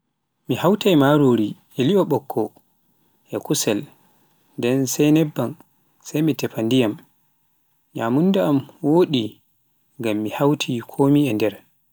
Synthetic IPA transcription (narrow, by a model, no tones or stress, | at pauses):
mihawtajmaɾoɾiʔɛliɔɓɔkʰːɔ | ʔɛkusɛl | ndɛnsajnɛbːan | sajmitɛpandijam | ɲamundɛamwoːɗi | ŋɡamːihawtʰikʰoːmiɛndɛɾ